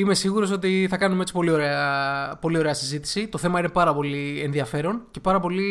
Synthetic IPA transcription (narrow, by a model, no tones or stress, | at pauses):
ime̞siɣuɾo̞so̞t̪iθɐkɐnumee̞t͡si̥po̞lioɾeɐpo̞lio̞ɾeɐsizit̪i̥sit̪o̞θe̞mɐine̞pɐɾɐpo̞lie̞nðiɐfe̞ɾo̞nce̞pɐɾɐpo̞li